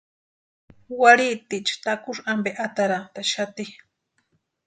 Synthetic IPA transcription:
waɾit̪it͡ʃt̪akuʂambeʔat̪aɾat̪aʃat̪i

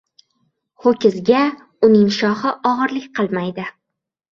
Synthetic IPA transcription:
χokʲɪzɡʲa | ʊnɪŋʃɒhɪʔɒʁɨɾlɪkʲqʰɨlˠmajd̪ɪ

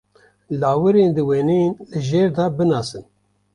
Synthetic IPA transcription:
lɑːwɨɾeːnd̪ɨweːnenlɨʒeːɾd̪ɑːbɨnɑːsɨn

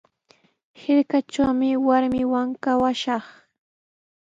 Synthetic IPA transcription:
hɪɾkat͡ʃawmɪwaɾmɪwaŋkawaʃɑχ

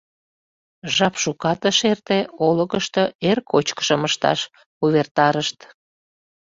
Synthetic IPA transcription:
ʒɑpʃukɑt̪əʃert̪eoləɣəʃt̪əerkʰot͡ɕkə̥ʃəməʃt̪ɑ̰ʃ | kuβert̪ɑɾəʃt̪

